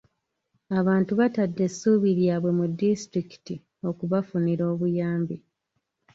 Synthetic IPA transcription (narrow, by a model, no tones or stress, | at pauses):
aβaːntuβatadːe̞suːβiɾjaːβwe̞mudːistɾiki̥ti | o̞kuβafuniɾo̞ːβujaːmbi